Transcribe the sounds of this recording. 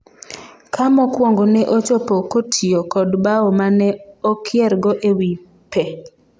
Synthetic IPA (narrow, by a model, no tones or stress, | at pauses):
kamɔkwɔŋɡonɛʔot͡ʃɔpokotʰiokɔdbaɔmanɛɔkʰɪɛɾɡɔʔewi | pʰe